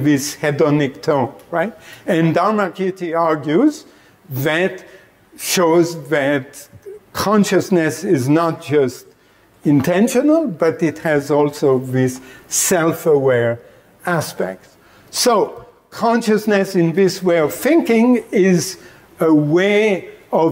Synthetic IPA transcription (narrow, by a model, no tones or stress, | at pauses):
ðɪshɛdɔnɪk̚tʰõnɹaɪt̚ɨ̃ndaɹməkʰjʉtiɑɹɡjʉz | ðɨt | ʃoʊzðɨtkʰɑ̃nʃɨsnɨsɪznət̚d̥ʒ̥ʌst | ɪ̃ntʰɛ̃nʃɨnəl̩ˠbʌɾɪt̚hɨzɔlˠsoʊðɪsːɛlˠfəwɛɹ | æspɛ̰k̚t | soʊ | kʰɑ̃nʃɨsnɨsɨ̃nðɪsweɪʌv̥θɪ̃ŋkɪ̃ŋɪz | əweɪʌ